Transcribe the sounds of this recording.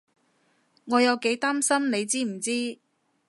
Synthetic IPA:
ŋɔː˨˧jɐ˨˧wke˨˥jt̪aː˥msɐ˥mne˨˧jt͡siː˥m̩˨˩t͡siː˥

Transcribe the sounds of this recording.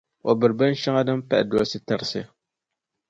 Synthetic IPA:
o˨bɨ˨ɾba˦n˦ʃa˦ŋa˦da˦m˦pa̰˦ʔdʊ˦a˦si˦ta˦ɾsɪ˦a˨

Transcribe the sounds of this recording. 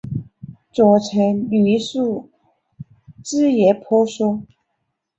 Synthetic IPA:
t͡swɔ˨˩t͡sʰə˧˥ŋly˧˥su˥˩ | t͡sɻ̩˥jɛ˧˥pʰɔ˥ʂɔ˥

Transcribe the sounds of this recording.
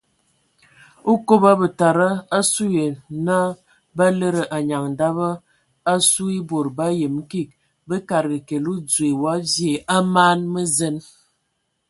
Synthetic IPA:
o˦ko˦ba˦bə˨ta˨ɾa˦a˦su˦je˨na˦ | ba˦lə˦ɾə˨ʔa˨ɲa˨ŋ˨da˦bə˦ | a˦su˦i˦bo˨ɾba˦jə˨m˦ki˦˨k̚ | bə˦ka˨ɾɡə˨ke˨lu˦d͡zwe˨wa˦vje˨ʔa˦maː˦nmə˦zə˦n

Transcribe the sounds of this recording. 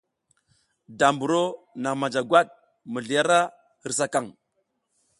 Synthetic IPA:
da˨mbu˨ɾo˦na˨ma˨d͡ʒa˨ɡwa˦ɗ̚ | mə˨ɮi˨ja˦ɾa˦ | i˨ɾs̬a˦ka˦˨ŋ

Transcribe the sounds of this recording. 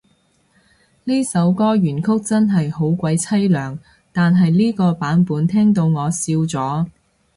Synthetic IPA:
liː˥sɐ˨˥wkɔː˥ɥyː˨˩nkʰʊ˥k̚t͡sɐ˥nɦɐ˨jho˨˥wkʷɐ˨˥jt͡sʰɐ˥jlœː˨˩ŋ | t̪aː˨nɦɐ˨jliː˥kɔː˧paː˨˥npuː˨˥nt̪ʰɛː˥ŋt̪̬o˧wŋɔː˨˧siː˧wt͡sɔː˨˥

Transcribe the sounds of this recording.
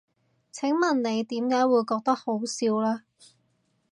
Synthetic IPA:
t͡sʰɪ˨˥ŋmɐ˨nle˨˧jt̪iː˨˥mkaː˨˥jwuː˨˧jkɔː˧k̚t̪ɐ˥k̚ho˨˥wsiː˨˧wlaː˥

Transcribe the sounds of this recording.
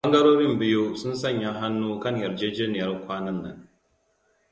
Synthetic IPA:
bɐ˦ŋɡɐ˦ɽoː˦ɾɪ˦mbɪ˦joː˦sʊ˦nsɐ˦˨ɲja˦ɦa˦nːuː˦kɐ˦ɲjɐ˨ɾd͡ʒeː˦d͡ʒeː˦nɪ˨jɐ˦rkʷaː˦nɐ˦nːɐ̰˨ŋ

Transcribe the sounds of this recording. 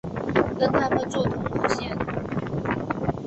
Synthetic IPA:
kə˥nt̪ʰa˥mə˨nt͡swɔ˥˩t̪ʰʊ˧˥ŋlu˥˩ɕjɛ˥˩n

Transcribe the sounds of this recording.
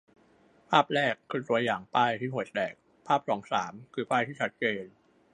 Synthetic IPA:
pʰaː˥˩p̚ɾɛː˥˩kʰːɯː˧t̪u˧ɐjaː˨˩ŋpaː˥˩jt̪ʰiː˥˩ɦu˩˦j̚dɛː˨˩k̚ | pʰaː˥˩p̚sɔː˩˦ŋsaː˩˦mkʰɯː˧paː˥˩t̪iː˥˩t͡ɕʰa˦˥t̪̚t͡ɕeː˧n

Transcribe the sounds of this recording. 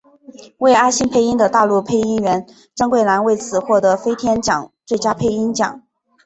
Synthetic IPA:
we˥˩ɪa˥ɕi˥npʰe˥˧ɪi˥nd̪ə˨˧t̪a˥˧lu˥˧pʰe˥˧ɪi˥nɥɛ˧˥n | ʈ͡ʂɤ˥ŋkwe˥˩ɪla˧˥nwe˥˩ɪt͡sʰɹ̩˨˩xwɔ˥˩t̪ɤ˧˥fe˥ɪt̪ʰjɛ˥nt͡ɕjɑ̰˨˩˦ŋt͡swe˥˩ɪt͡ɕja˥pʰe˥˧ɪi˥nt͡ɕjɑ̰˨˩˦ŋ

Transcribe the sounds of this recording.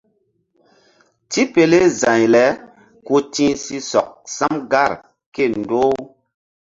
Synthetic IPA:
ti˦pe˨le˦zã˨ɲlɛ˨˦ | ku˦tĩ˦si˦sɔ˨k̚sa˦mɡa˦˨ɾ | ke˦˨n˨do˦w

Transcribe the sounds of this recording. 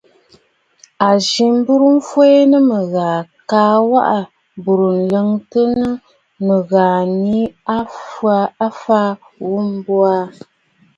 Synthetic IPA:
a˨ʒi˨m˦bu˦ɾu˦m̩˦fwo˦e˦nə˦mə˨ɣaː˨kaː˨˦wa̰˦ʔa˨ | bu˨ɾu˨n̩˨lə˨˦ŋtə˦nə˦ | mə˨ɣaː˨ni˦a˦fa˦a˦faː˦ | wu˦m˦bwa˦

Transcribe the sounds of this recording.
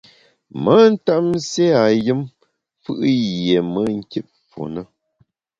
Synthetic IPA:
mə˦n̩˦ta˦m˦se˦a˨jɨ˦m | fɨ˦ʔje˨mə˦ŋ̩˦ki˦p̚fo̰˨nə˦

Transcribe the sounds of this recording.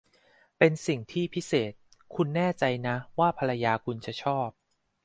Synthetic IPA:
pe˧nsi˨˩ŋt̪ʰiː˥˩pʰi˦˥seː˨˩t̪̚kʰu˧nːɛː˥˩t͡ɕa˧jna˦˥waː˥˩pʰa˧la˧jaː˧kʰu˧nt͡ɕa˨˩t͡ɕʰɔː˥˩p̚

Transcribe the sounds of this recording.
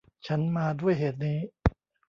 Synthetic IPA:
t͡ɕʰa˦˥nmaː˧du˥˩əjɦeː˨˩t̪̚niː˦˥

